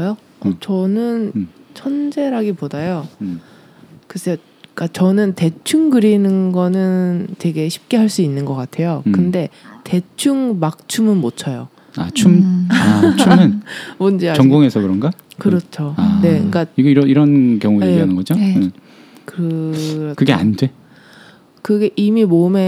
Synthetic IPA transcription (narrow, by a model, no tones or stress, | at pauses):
jo | ʌt͡ɕʌnɯnt͡ɕʰʌnd͡ʑe̞ɾɦaɡipodajo | kɯsʰe | k͈at͡ɕʌnɯnte̞t͡ɕʰuŋɡɯɾinɯnɡʌnɯntwe̞ɡe̞ɕʰi̥p̚k͈e̞ɦaɭs͈uinːɯnɡʌk͈atʰe̞jokɯnde̞te̞t͡ɕʰuŋmak̚t͡ɕʰumɯnmot͡ɕʰʌjo̰ | a̰t͡ɕʰumat͡ɕunɯnmond͡ʑiaʌŋɡoŋe̞sʰʌkɯɾʌnɡakɯɾʌt͡ɕʰoane̞iŋk͈aiɡʌiɾʌiɾʌnkjʌŋueiɦanɯnɡʌd͡ʑo | kɯɯɾʌkɯɡe̞a̰nde̞ | kɯɡeʔimimome̞